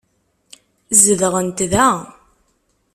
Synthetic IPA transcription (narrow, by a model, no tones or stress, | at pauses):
zəðəʁənt̪ðæ